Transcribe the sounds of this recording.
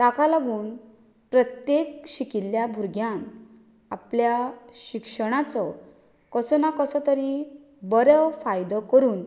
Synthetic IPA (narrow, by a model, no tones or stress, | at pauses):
t̪akalaɡuːn | pɾət̪jekɕikiljabʱuɾɡʱjan | apljaɕikʂəɽ̃at͡sɔ | kəsɔnakəsət̪əɾi | bəɾəfajd̪kəɾuːn